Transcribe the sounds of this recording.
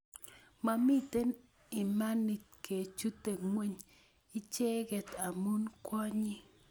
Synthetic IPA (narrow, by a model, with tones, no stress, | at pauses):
ma˦mɪ˦t̪e˦n | ɪ˨ma˦nɪ˨t̪̚ke˨t͡ʃu˦t̪e˨ŋwe˦ɲ | ɪ˦t͡ʃɛ˦ɡɛ˨t̪a˨mu˦nkwɔ˦ɲi˦